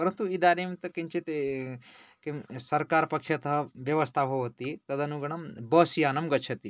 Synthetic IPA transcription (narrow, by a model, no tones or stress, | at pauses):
pɐɾɐnt̪uid̪aːɾemt̪ɐkint͡ʃʰit̪e | kimsɐɾkaːɾpɐkʃjɐt̪ɦɐʋjɐʋɐst̪ʰaɦoɦt̪it̪ɐd̪ɐnuɡɐɳ̃ɐmbɐːsijaːnɐmɡɐt͡ʃʰɐt̪i